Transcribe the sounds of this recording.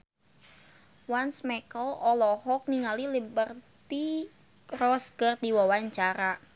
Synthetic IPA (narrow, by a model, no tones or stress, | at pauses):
wansmɛkəlɔlɔhɔk̚niŋalilibərt̪i | rɔskərd̪iwawaɲt͡ʃaɾa